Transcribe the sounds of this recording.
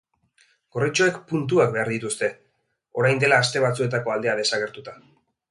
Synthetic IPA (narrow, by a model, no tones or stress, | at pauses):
ɡ̥o̞rit͡ʃo̞e̞kpunt̪uakbe̞aɾðit̪ust̪e̞ | o̞ɾajnd̪e̞laːst̪e̞βat͡sue̞t̪̬ako̞ald̪e̞að̞e̞saɣ̞e̞ɾt̪ut̪a